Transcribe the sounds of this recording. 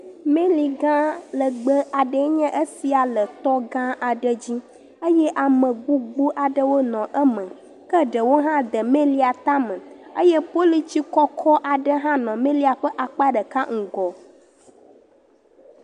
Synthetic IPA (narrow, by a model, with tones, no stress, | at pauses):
mẽ˦li˨ɡã˦lə˨ɡ͡bə˦a˨ɖə˨˦ɲɛ̃˦ʔə˦si˨a˨lə˨t̪ɔ˦ɡã˦ʔa˨ɖə˦d͡ʑi˦ | ə˦jɛ˦ʔa˨mə̃˨ɡ͡bu˦ɡ͡bu˦ʔa˨ɖə˦wo˦nɔ̃˨ʔə˦mə̃˨ | kə˦ɖə˨wo˦ɦã˦d̪ə˨mẽ˦li˦a˨t̪a˦mə̃˨ə˦jɛ˦po˦li˦t͡ɕi˦kɔ˦kʰɔ˦ʔa˨ɖə˦ɦã˦nɔ̃˨mẽ˦li˦a˨ɸə˦ʔa˨k͡pa˦ɖə˨ka˦ŋ̩˨ɡɔ˨